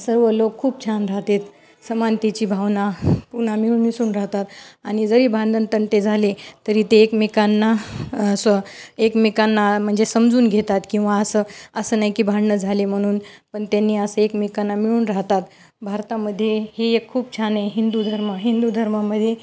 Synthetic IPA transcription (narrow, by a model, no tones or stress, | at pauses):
səɾʋəlokʰːuːp̚t͡ɕʰanɾaɦt̪et̪ | səmant̪it͡ɕiːbʱaʋnapuɳ̤amiɭuːnmisuːnɾaɦt̪at̪aɽ̃id͡zəɾiːbʱand̪ʱənt̪əɳʈ̪ed͡zʱalet̪əɾiːt̪eːkmikanːaəsəekmikanːam̤əɳd͡zesəmd͡zuːnɡʱet̪at̪kĩw̃ʋaəsəəsəːnaɦjkiːbʱaɽɳəd͡zʱalem̤əɽ̃uːnpəɳt̪anːiːəsəekmikanːamiɭuːnɾaɦt̪at̪ | bʱaɾt̪aməd̪ʱːjeheekʰːuːp̚t͡ɕʰaneɦind̪ud̪ʱəɾməɦind̪ud̪ʱəɾmaməd̪ʱːje